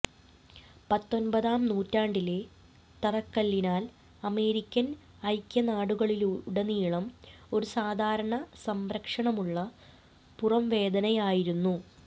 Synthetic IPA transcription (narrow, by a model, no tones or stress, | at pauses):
pɐt̪ːo̞nbɐðaːmnuːtːaːɳɖile̞ | t̪ɐrɐkːɐlːinaːl | ɐme̞ːɾikʲːɐn | ɐjkʲːɐnaːɽuɣɐɭilɽɐniːɭɐmo̞ɾusaːd̪ʱaːɾɐɳɐsɐmɾɐkʂɐɳɐmuɭːɐ | purɐmʋe̞ːd̪ɐnɐjaːjiɾunːu